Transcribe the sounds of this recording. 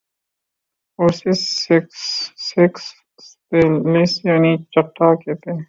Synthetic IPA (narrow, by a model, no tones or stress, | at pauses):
ɔːɾsisksːɪks | t̪elisjaːnit͡ʃɐʈːakeːt̪e